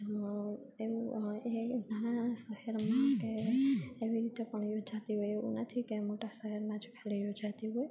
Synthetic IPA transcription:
euenaasəɦɛɾmãkeː | ʋiɾit̪epəɳjod͡ʒat̪iɦojeṵ̃nət̪ʰikemoʈasəɦɛɾmãd͡ʒkʰalijod͡ʒat̪iɦoj

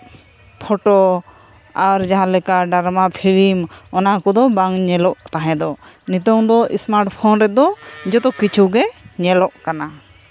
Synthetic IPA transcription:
pʰɔʈɔ | aɾd͡ʒaɦãlɛkaɖaɾmapʰilimɔnakɔd̪ɔbaŋɲɛlɔʔt̪aɦɛ̃d̪ɔ | nit̪̬ɔŋd̪ɔḭsmaɾʈpʰɔnɾɛt̪̚d̪ɔd͡ʒɔt̪ɔkit͡ʃʰuɡɛɲɛlɔʔkana

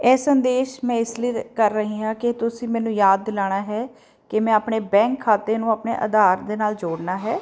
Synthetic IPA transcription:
ɛːsənd̪eːʃmɛ̃ːɪsləiːkəɾːəɦĩːɦãːkɪt̪ʊsĩːmɛːnũːjaːd̪̚ːɪlaːɽ̃aːɦɛː | kɪmɛ̃ːaːpɳeːbɛ̃ːŋkʰːaːt̪eːnũːaːpnḛːʔə̰d̪aːɾd̪eːnaːld͡ʒoːɽnaːɦɛː

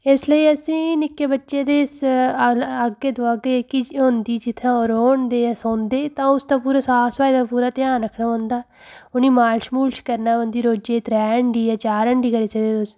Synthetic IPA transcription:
ɪsləiːəsĩːnɪkːeːbətːʃeːd̪eːɪs | əɡːeːd̪ʊaːɡekɪɦʊ̃nd̪iːd͡ʒɪt̪ʰːãːoɾoːɳd̪eːsõːnd̪eːt̪ãːʊst̪aːpuːɾaːsaːsʋaːid̪aːpuːɾaːt̪ɪjaːnɾəkʰnaːõːnd̪aː | ʊnĩːmaːlʃmuːlt͡ʃkəɾnaːə̃nd̪iːɾoːd͡ʒeːt̪ɾɛːəɳɖiːɛːt͡ʃaːɾəɳɖiːkəɾiːsəɡd̪eːʊs

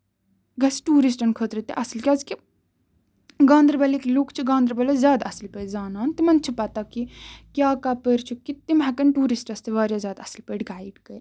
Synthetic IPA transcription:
ɡɐsʈuːɾisʈɐnkʰoːt̪ɾit̪ḭʔɐslkʲjaːzki | ɡãːnd̪ɾbɐleklukʰt͡ʃʰiɡãːnd̪ɾbɐlɐzʲjaːd̪ɐslpəːʈzaːnaːnt̪imɐnt͡ʃʰipɐt̪akikʲjaːkapəɾt͡ʃʰukit̪ːimɦɐkɐnʈuːɾisʈɐst̪iʋaːɾjazʲjaːd̪ɐslpəːʈɡaːiɖkɐj

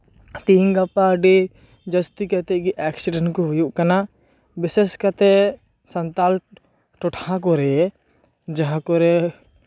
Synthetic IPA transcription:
t̪iːŋɡapaɖe | d͡ʒɐst̪ikɐt̪ɛkiʔɛːksɪɖəɳkoɦʊjuʔkɐna | bɪseskɐt̪e | sɐnt̪aːl | ʈʊʈʰãk̬oɾɛ | d͡ʒɐɦãkoɾe

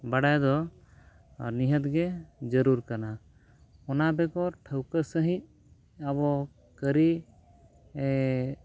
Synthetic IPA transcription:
baɽajd̪ɔ | niɦət̪ɡɛd͡ʒəɾuɾkana | ɔnabɛkɔʈʰəwkəsəɦĩt̪̚ | aβɔ | kəɾi

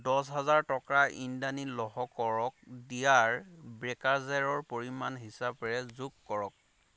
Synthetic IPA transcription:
dɔs̬ɦazaɹtɔkɹaʔindanilɔɦɔkɔɹɔk̚dijaɹbɹɛkaɹzɛɹɔɹpoɹimanɦisapɹɛzukːɔɹɔk̚

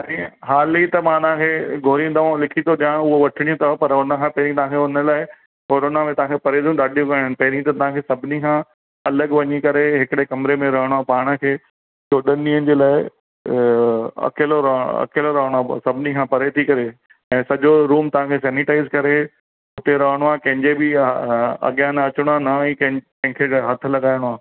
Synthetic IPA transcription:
ĩɦaːlit̪ɐmãt̪ãkʰeːɡʱoːɾĩnd̪aʋãlɪkʰit̪ʰoɗijãːɽ̃ʊɦoʋɐʈʰɪɽ̃iũt̪ʰɐpɐɾʊnə̆kʰãpɐɦɪɾĩt̪ɐʋɦãkʰeʊnə̆laːɪ | koːɾonamẽt̪ɐʋ̤ɦãkʰepɐɾed̪jũɗaːɗijũkɐəñɪ̆pɐɦɪɾĩt̪ɐt̪ɐɦãkʰesɐbʱɪnikʰãː | ɐləɡʋɐɲikɐɾeɦɪkɪɽekɐmɪɾemẽɾɐɦəɽ̃oapaːɽ̃ə̆kʰeː | joːɗɐniːənɪ̆d͡ʑeːlaːɪ | ɐ̰keːloɾɐɐ̰keːloɾɐɦəɽ̃oasɐbʱɪnikʰãpɐɾet̪ʰikɐɾe | ɛ̃ːsɐʄoɾuːmt̪ɐʋãkʰes̬ɛːnɪʈaːɪzkɐɾe | ʊt̪eɾɐɦəɽ̃oaːkɐ̃ɦɪ̃ɲd͡ʑebɪ | ɐ̰ɠijaːnɐt͡ɕəɽ̃ʊaːnɐĩkɐ̃ɦkɐ̃ɦɪ̃kʰeɦɐt̪̆ʰlɐɠaːɪɽ̃oaː

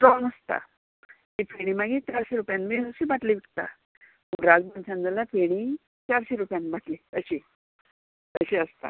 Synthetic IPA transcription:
ʈɾɔnəst̪a̰ | tifeɽ̃imaɡit͡ɕaɾɕeɾupjãnbesuɕibaʈliʋiʈt̪a̰ | muɾad͡zmənt͡ɕãnd͡z̪əlafeɽ̃i | t͡ɕaɾɕeɾupjãnbaʈlit̪əɕi | t̪əɕeəst̪a̰

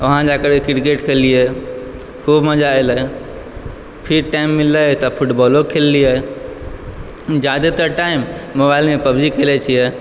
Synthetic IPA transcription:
ɐɦãd͡ʒakəɾkɪɾkeːʈkʰeliɛ | kʰuːbməd͡ʒaelə | pʰɪɾʈaːɪmːɪləɦt̪ɐpʰʊʈbɔːlokʰelːiɛ | d͡ʒaːd̪et̪əʈaːɪmːobaːɪlmẽpɐbd͡ʒikʰeːlet͡ʃʰiɛ

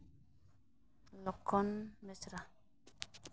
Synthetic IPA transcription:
lɔkʰːɔnmɛsɾa

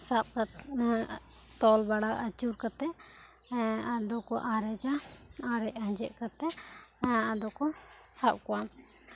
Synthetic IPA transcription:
sap̚ka | t̪ɔlbaɽaət͡ʃuɾkat̪ɛ | ad̪ɔkɔʔaɾɛd͡ʒaaɾɛc̚ad͡ʒɛʔkat̪ɛ | ad̪ɔkɔsap̚kɔwa

